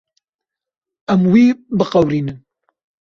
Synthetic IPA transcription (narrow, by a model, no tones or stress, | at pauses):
æmwiːbɨqɐwɾiːnɨn